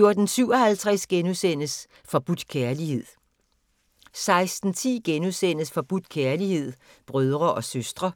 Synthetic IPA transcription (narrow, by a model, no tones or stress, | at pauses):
jo̝ɐd̥n̩syʊɒ̽hælt͡sʰʁɛsɡ̥enusen̰əs | fɒ̽b̥ud̥kʰæɐlihe̝ð̰ˠ | sɑ̈ɪsd̥n̩t͡sʰḭːɡ̥enusen̰əsfɒ̽b̥ud̥kʰæɐlihe̝ð̞̰ˠb̥ʁœð̞ˠʁɐʔɒ̽søsd̥ʁɐ